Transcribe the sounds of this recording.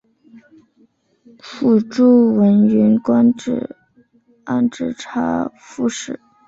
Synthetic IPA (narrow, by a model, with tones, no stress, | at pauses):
fʰu˨˩ʈ͡ʂu˥˩wə˧˥nɛ˧˥nkwa˥nɻ̩˨˩ | a̰˥˩nʈ͡ʂɻ̩˥˩ʈ͡ʂʰa̰˥ | fu˥˧ʂɻ̩˥˩˦